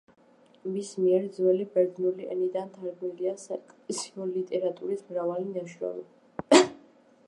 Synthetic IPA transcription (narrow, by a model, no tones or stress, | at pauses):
mismiɛɾd̪zwɛlibɛɾd̪nuliʔɛ̰nid̪ant̪ʰaɾɡmiliasakʼsiɔlit̪ʼɛɾat̪ʼuɾismɾavalinaʃɾɔ̰mɔ̰